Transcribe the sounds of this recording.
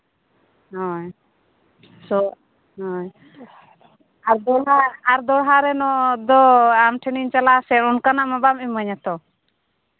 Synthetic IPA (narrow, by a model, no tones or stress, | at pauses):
ɦɔj | sɔ | ɦɔj | aɾd̪ɔɽɦaaɾd̪ɔɽɦaɾɛnɔʔd̪ɔamʈʰɛniɲt͡ʃalasɛʈɔnkanaʔmabamimːəɲat̪ɔ